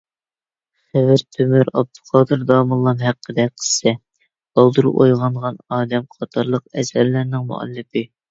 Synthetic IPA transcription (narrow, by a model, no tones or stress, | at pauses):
χɪvɪɾt̪ʰːymyɾɑb̚t̪ʰu̥qʰɑːd̪ɨɾd̪ɑːmɨlˠːɑmɦæqʰːəd̪ɛqʰə̥ssɛ̥ | ɑlˠd̪uɾʔo̰jʁɑɴʁɑnɑːd̪ɛmqʰɑt̪ʰɑɾlˠəq̚ɛsɛɾlɪɾnɪŋmṵɑ̰lːɨpɨ